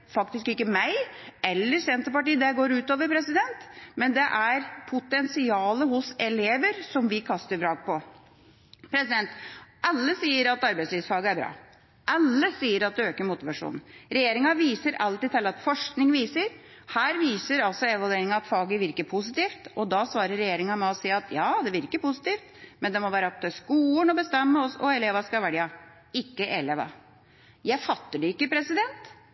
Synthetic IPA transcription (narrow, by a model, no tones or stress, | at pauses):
fɑk̚t̪ɪskɪkːəmæɪɛlːəsɛnt̪əpɑʈiːəd̪ɛɡoːɾʉːt̪ɑːʋəɾpɾɛsɪd̪ɛnt̪mɛnd̪ɛʔæɾpʰʊt̪ɛnsɪɑːləɦʊsɛleːʋəɾsɔmʋɪkʰɑst̪əɾfɾɑːɡ̚pɔ | pʰɾɛsɪd̪ɛnt̪ʔɑlːəsiːəɾɑt̪ɑɾbæɪsliːʋsfɑːɡəæɾbɾɑ̰ː | ʔɑlːəsiːəɾɑt̪̚d̪ɛøːkəɾmʊt̪ɪʋɑʂṵːnn̩ɾɛjeːɾɪŋɑʋiːsəɾʔɑlt̪ɪt̪ʰɛlːɑt̪fɔʂknɪŋʋiːsəɾ | hæːɾʋiːsəɾɑlsɔɛʋɑld̪eːɾɪŋɑɑt̪fɑːɡəʋɪɾkəpʰʊs̬ɪt̪iːft̪ɔd̪ɑsʋɑːɾəɾːɛjeːɾɪŋɑmɛɔsiːɑt̪ʰjɑːd̪ɛʋɪɾɪkːəpʊsɪ̥t̪iːft̪mɛnd̪ɛmɔʋæːɾəɑk̚t̪ʰʉæskuːənɔbəst̪ɛmːəɔsɔɛleːʋɑskɑʋæɽjɑ | ɪkːəʔɛleːʋɑ̰ | jæɪfɑt̪ːəɖɛɪkːəpɾɛsɪd̪ɛnt̪